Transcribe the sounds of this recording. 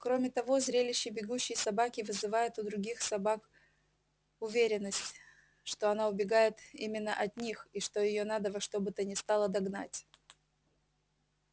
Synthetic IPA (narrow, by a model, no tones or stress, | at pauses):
kɾo̞mʲɪt̪ɐvo̞zɾʲelʲɪɕːɪbʲɪɡuɕːɪjsɐbakʲɪvɨzɨvajʊt̪ʊd̪ɾʊɡʲixsɐbak | ʊvʲeɾʲɪnːəsʲtʲ | ʂt̪o̞ɐnaʊbʲɪɡajɪt̪ḭmʲɪnːəʔɐt̪nʲixiʂt̪o̞jɪjo̞nad̪əvɐʂt̪o̞bɨt̪ənʲɪst̪ɑlˠəd̪ɐɡna̰tʲ